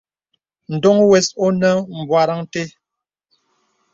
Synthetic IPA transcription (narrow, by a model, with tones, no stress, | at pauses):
n̩˨dɔ˦ŋwɛ˨so˦nə˦m̩˨bwa˨ɾa˦ŋte˦